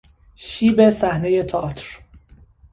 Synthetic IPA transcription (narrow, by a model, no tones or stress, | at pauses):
ʃiːbesæhne̞jet̪ʰɒːt̪ʰɾ